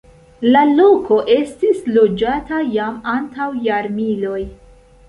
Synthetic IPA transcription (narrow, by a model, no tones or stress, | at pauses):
lalo̞kʰo̞ʔe̞stislo̞d͡ʒatajamantawjaɾmilo̞j